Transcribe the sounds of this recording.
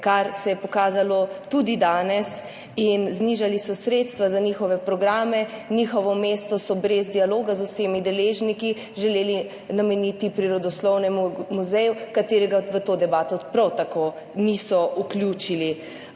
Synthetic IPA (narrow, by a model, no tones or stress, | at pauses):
kaɾsɛjɛpɔkaːzalɔt̪ud̪id̪aːnɛs | inzniʒalisɔsɾeːt̪st̪ʋazanixɔʋɛpɾɔɡɾaːmɛniːxɔʋɔmeːst̪ɔsɔbɾezd̪ialoːɡazusemid̪ɛleːʒniki | ʒɛleːli | namɛnit̪ipɾiɾɔd̪ɔslɔwnɛmumuzɛjukat̪eːɾɛɡaʋət̪oːd̪ɛbaːt̪ɔpɾawt̪akoː | nisɔuklʲjuːt͡ʃili